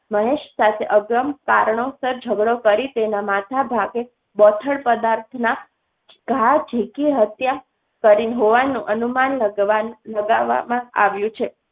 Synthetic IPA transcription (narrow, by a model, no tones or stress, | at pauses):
məɦeʃsat̪ʰeʔəɡɾəmkaɾɳosəɾd͡ʒʱəɡɽokəɾit̪enamat̪ʰabʱaɡe | bɔt̪ʰəɭpəd̪aɾt̪ʰna | ɡ̥ʱad͡ʒʱikiɦət̪ja | kəɾinɦoʋanːũʔənuman | ləɡaʋa̰mãa̰ʋjũt͡ʃʰe